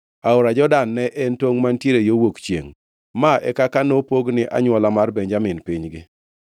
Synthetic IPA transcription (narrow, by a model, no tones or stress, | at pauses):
aʊɾad͡ʒɔdanːɛʔɛntoŋmantjeɾejowokt͡ʃjḛŋ | maʔɛ̰kakanopoɡnɪʔa̰ɲwɔlamarbɛɲd͡ʒamɪnpɪɲɡɪ